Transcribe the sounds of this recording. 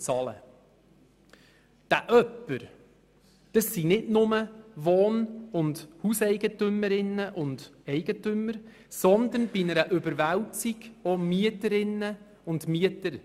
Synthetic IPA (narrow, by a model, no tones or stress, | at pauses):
t͡sɑːlə̰ | d̥æʔœpːəɾ | d̥əsːinɪdnʊməʋoːnʊndhusɛɪɡətʏməɾɪnːəʔʊndɛɪɡ̥ətʏməɾ | sɔnd̪ənb̥inəɾəʔʏbəɾʋæwt͡siɡomyətəɾɪnːə | ʊndmiətəɾ